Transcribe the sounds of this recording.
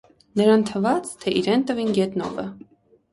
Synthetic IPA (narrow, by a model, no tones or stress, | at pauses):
nəɾɑnt̪ʰəvɑt͡st̪ʰɛʔiɾɛnt̪əvinɡɛt̪nɔ̰və